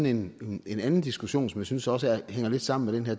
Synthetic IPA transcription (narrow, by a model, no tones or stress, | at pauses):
n̩e̝ne̝nænn̩d̥isɡ̥uɕo̝̰ːnsɒ̽mjænsynsɒ̽s̬əheŋ̰ɐle̝d̥sɑ̈m̰n̩meɾ̥enɦæɐ